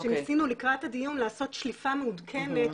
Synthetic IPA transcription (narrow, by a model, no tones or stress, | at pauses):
ʃemisinulikʁathad̪ijunlaːso̞t̪ʃlifameud̪kʰe̞me̞t